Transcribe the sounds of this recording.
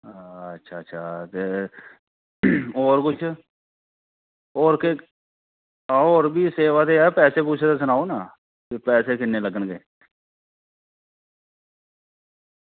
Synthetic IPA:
ətːʃʰaːtːʃʰaːt̪e | ɔːɾkʊt͡ʃʰ | ɔːɾke | aːoːɾbʱiːseːʋat̪eɛːpɛːseːpuːt͡ʃʰet̪es̬ʊnaːonaː | kepɛːseːkɪnːeːləɡənɡeː

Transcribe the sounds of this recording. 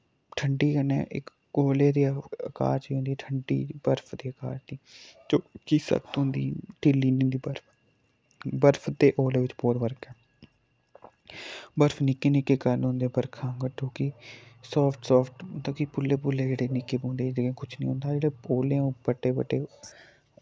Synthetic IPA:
ʈʰəɳɖiːkənɛ̰̃ːʔɪ̰k | oːleːd̪iːəka̰ːɾt͡ʃiːɦʊ̃nd̪iːʈʰəɳɖḭːbəɾpʰd̪eːəka̰ːɾt̪iːd͡ʒoːkiːsə̰kt̪ɦʊ̃nd̪ḭːʈiːlːiːnːnd̪iːbəɾpʰ | bəɾpʰt̪eːʔoːleːʋɪt͡ʃbɔːɾʋəɾkɛː | bəɾfʰnɪkːeːnɪkeːkəɾnɦõːnd̪eːbəɾkʰãːɡəʈoːkiːsɔːpʰʈsɔːpʰʈt̪oːkipʊlːeːpʊlːeːd͡ʒeːɽeːnɪkeːbõːnd̪eːkẽkʊt͡ʃʰnḭ̃ːɦʊ̃ːnd̪aːd͡ʒeːɽeːoːlẽːbəʈːeːbəʈːeː

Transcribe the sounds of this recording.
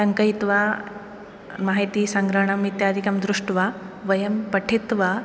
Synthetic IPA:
sɐŋkɐit̪ʋa | maːɦit̪iːsɐŋɡɾɐɳɐmit̪jaːd̪ʱikɐmd̪ɾuʂʈʋaʋɐjɐmpɐʈʰit̪ʋa

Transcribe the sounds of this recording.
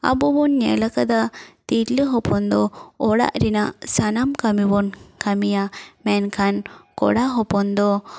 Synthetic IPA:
a̰bɔbɔnɲɛ̰lakad̪at̪iʈləɦɔpʰɔnd̪ɔɔɽa̰ʔɾinaʔsanamkamibɔnkamijamɛnkʰankɔ̰ɽaɦɔpɔnd̪ɔ

